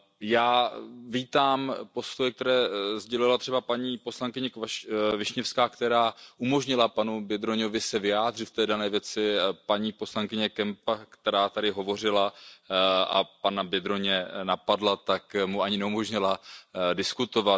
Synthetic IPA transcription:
jaːviːt̪aːmpo̞st̪ojɛk̚t̪ɛɾɛːzɟɛlɪlat̪r̥ɛbapaɲiːpo̞slaŋkɪɲɛkvɪʃɲɛfskaːkt̪ɛɾaːʔumo̞ʒɲɪlapanubjɛd̪ɾoɲo̞vɪsɛvɪjaːdr̝ɪt̪ft̪ɛːdanɛːvjɛt͡sɪpaɲiːpo̞slaŋkɪɲɛkɛmpakt̪ɛɾaːt̪adɪɦo̞vo̞r̝ɪla | a̰panabjɛd̪ɾo̞ɲɛnapadlat̪akmuaɲɪnɛumo̞ʒɲɪladɪskut̪o̞va

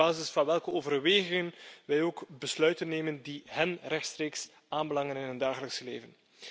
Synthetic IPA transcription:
aːzɪsfɑnʋɛlˠkəoːvərʋeːɣɪŋənʋɛjoːkbəslœɥtənːeːməndiɦɛnrɛxtstreːks | aːnbəlɑŋənɪnɦəndaːɣələksəlḛːvən

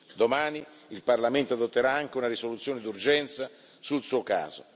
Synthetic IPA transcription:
d̪omaːni | ilparlament̪oad̪ot̪ːeɾaaŋk̟eunaɾisolut̪sːjoːned̪urd͡ʒɛnt̪sa | sulsuːoka̰ːzo̰

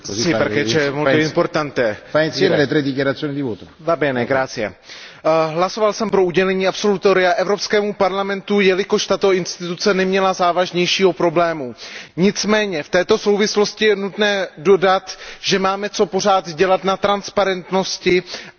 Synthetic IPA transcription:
sɛjpɛɾkɛt͡ʃɛmolɛɪmpoɾt̪ant̪ɛːvansjɛːmɛlet̪ɾɛd̪ːikjaɾat̪sːjoːnid̪ivoːt̪o | vabɪɛnɛːɡɾaːt͡sɪjɛ̰ | ɦlaso̞valsɛmpɾo̞uɟɛlɛɲiːapso̞lut̪oɾɪaʔɛvɾopskɛːmupaɾlamɛnt̪ujɛlɪkoʃt̪at̪o̞ɪnst̪ɪt̪ut͡sɛnɛmɲɛlazaːvaʒɲɛjʃiːɦo̞pɾo̞blɛːmuɲɪt͡smɛːɲɛft̪ɛːt̪o̞so̞wvɪslo̞scɪjɛnut̪nɛːdo̞dat̪ʒɛmaːmɛt͡so̞po̞r̝aːt̪ɟɛlat̪nat̪ɾanspaɾɛnt̪no̞scɪ

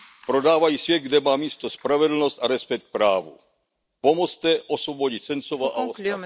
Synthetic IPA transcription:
pɾod̪aːʋajiːsʋjɛd̪̚ɡd̪ɛmaːmiːst̪ɔspɾavɛd̪l̩nɔst̪aɾɛspɛk̚t̪̚pɾaːʋṵ | pɔmɔst̪ɛʔɔsʋɔbɔɟict͡sɛnt͡soʋaʔaɔ

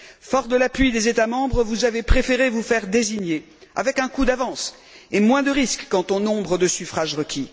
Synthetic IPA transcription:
fɔʁd̪əlapɥid̪ezet̪amɑ̃bʁəvuzavepχefeʁevufɛʁd̪eziɲje | a̰vɛkɛ̃kud̪avɑ̃s | emwɛ̃d̪əʁiskːɑ̃t̪ɔ̃nɔ̃bʁəd̪əsyfχaʒʁəkʲʰi

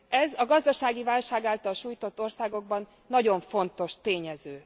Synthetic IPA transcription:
ʔɛzɒɡɒzd̪ɒʃaːɡivaːlʃaːɡaːlt̪ɒlʃuːjt̪o̞t̪ːo̞rsaːɡo̞ɡ̚bɒnːɒɟo̞ɱfo̞nt̪o̞ʃt̪eːɲɛzøː

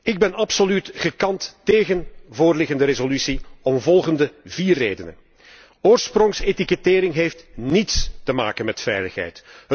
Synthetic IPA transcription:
ɪɡ̚bɛnɑpsolytɣəkɑntteːɣənvoːrlɪɣəndəɾezolysiɔmvɔlˠɣəndəviːrːeːdənə̰n | oːrsprɔŋsetikəteːɾɪŋɦejftnitstəma̰ːkənmɛtfɛ̰jləxɦɛ̰jt

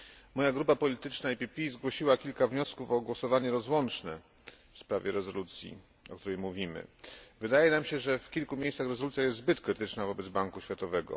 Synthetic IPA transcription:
mɔjaɡɾupapɔlʲit̪ɘt͡ʂnaipʲipʲizɡwɔɕiwakʲilkavɲɔskufɔɡwɔsɔvaɲɛɾɔzwɔnt͡ʂnɛ | fspɾavʲjɛɾɛzɔlut̪sʲjḭ | ɔ̰kt̪uɾɛjmuvʲimɘ̰vɘd̪ajɛnamɕɛʐɛfkʲilkumʲejssaxɾɛzɔlut̪sʲjajɛst̪zbɘt̪kɾɘt̪ɘt͡ʂnavɔbɛd̪zbaŋkuɕfʲjat̪ɔvɛɡɔ̰

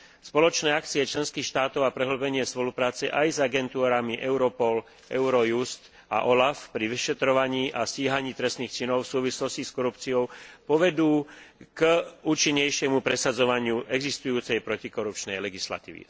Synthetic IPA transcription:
spɔlɔt͡ʃnɛːak̚t͡siɛt͡ʃlɛnskiːxʃt̪aːt̪ɔʊapɾɛɦl̩bɛɲɪɛspɔlupɾaːt͡sɛʔajzaɡɛnt̪uːɾamiʔɛʊɾɔpɔl | ɛʊɾɔjust̪ | a̰ʔɔlafpɾiʋiʃɛt̪ɾɔʋaɲiːʔasciːɦaɲiːt̪ɾɛst̪niːxt͡ʃinɔʊfsuːʋislɔsciskɔɾupt͡siɔʊpɔʋɛd̪uːkuːt͡ʃiɲːɛjʃɪɛmupɾɛsad͡zɔʋaɲɪuʔɛɡzist̪ujuːt͡sɛjpɾɔcikɔɾup̚t͡ʃnɛjlɛɡisla̰t̪ḭːʋḭ

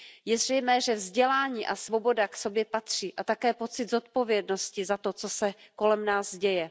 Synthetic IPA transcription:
jɛzr̝ɛjmɛːʒɛvzɟɛlaːɲiːʔasvo̞bo̞dakso̞bjɛpat̪r̝̥iːʔat̪akɛːpo̞t͡sɪd̪zo̞t̪̚po̞vjɛdno̞scɪzat̪o̞t͡so̞sɛko̞lɛmnaːzɟɛjɛ

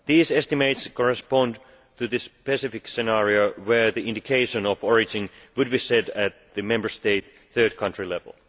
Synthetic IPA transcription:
ðiːsɛstɨmeɪtskʰɔɹɨspɑ̃n | tʰɨðɨspɛsɪfɪksɨnæɹioʊwə˞ðiɪ̃ndɪkʰeɪʃə̃nɔvɔɹɪd͡ʒɪ̃nwɨd̚biːsɛdæt̪̚ðɨmɛ̃mbə˞steɪt̪ | θɜ˞d̚kʰʌ̃ntɹ̥ilɛvl̩ˠ

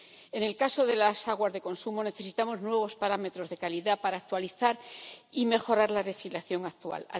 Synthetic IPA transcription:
e̞ne̞lkaso̞ðe̞lasaɣwazðe̞ko̞nsumo̞ne̞θe̞sit̪amo̞znwe̞β̞o̞spaɾame̞t̪ɾo̞zðe̞kaliðapaɾaːk̚t̪waliθaɾime̞xo̞ɾaɾlale̞xizlaθjo̞ŋak̚t̪ua̰la̰

